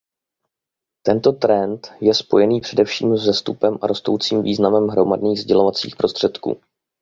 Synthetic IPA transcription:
t̪ɛnt̪o̞t̪ɾɛnt̪jɛspo̞jɛniːpr̝̥ɛdɛfʃḭːmzzɛst̪upɛmʔaɾo̞st̪o̞wt͡siːmviːznamɛmɦɾo̞madniːɣzɟɛlo̞vat͡sḭːxpɾo̞st̪r̝̥ɛt̪kṵː

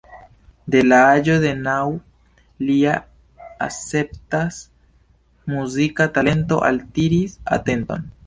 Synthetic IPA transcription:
d̪elaad͡ʒoðenaw | lia | a̰sep̚t̪as | muzikat̪alent̪o̞̰ʔa̰lt̪iɾisa̰t̪ent̪o̰n

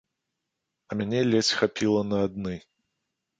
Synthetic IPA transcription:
ɐmʲanʲɛlʲɛt͡sʲxapʲilˠɐnɐːd̪nɨ

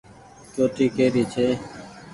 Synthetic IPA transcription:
t͡ʃoːʈiːkeːɾiːt͡ʃʰeː

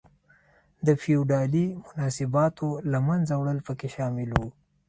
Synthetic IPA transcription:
d̪əfiuɖɑlimʊnɑsɪbɑt̪ʰolamanzawɽəlpəkeʃɑːmɪlwu

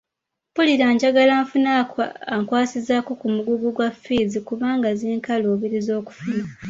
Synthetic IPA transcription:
puliɾaːɲɟaɡalaːɱfunakaŋkwaːsizako̞kumuɡuɡuɡwafizikuβaːŋɡaziːŋkaloːβiɾizo̞ːku̥funa

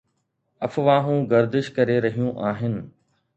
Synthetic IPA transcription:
ɐfʋaːɦũːɡɐɾd̪ɪʃkɐɾeɾɐɦijũʔaːɦɪnɪ̆

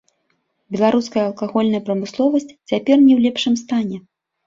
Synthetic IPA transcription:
bʲɛlˠaɾuskɐjɐɐlˠkaɣɔlʲnɐjɐpɾɐmɨslˠɔvɐsʲt͡sʲt͡sʲapʲɛrnʲɛwlʲɛpʂɨmst̪anʲɛ

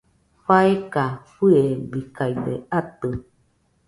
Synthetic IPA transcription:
ɸaekaɸɨebikaid̪ḛat̪ɨ

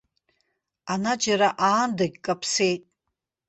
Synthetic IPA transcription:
anad͡ʒaɾaʔaːndaɡʲkʼapʰse̞jtʼ

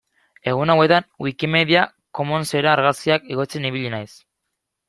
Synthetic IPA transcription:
e̞ɣ̞unawe̞t̪anwikime̞ðia | ko̞monse̞ɾaːɾɣasiakeɣo̞t͡se̞niβiʎinajs

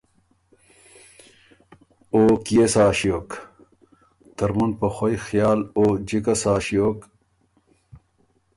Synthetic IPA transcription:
oːkiesaːɕijoːk | t̪ɐɾmunpɐxojxjaːloːd͡ʑikɐsaːɕijoːk

